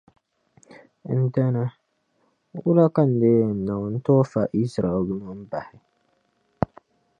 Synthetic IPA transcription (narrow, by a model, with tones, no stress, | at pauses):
n̩˦da˦na˦ | wʊ˦la˦ka˦n̩˨deː˦˨n̩˨na˨wn̩˦tɔː˦fa˨ʔi˦sɾa˨ɛ˨lnʊ˦m̩˦ba˨hɪ˨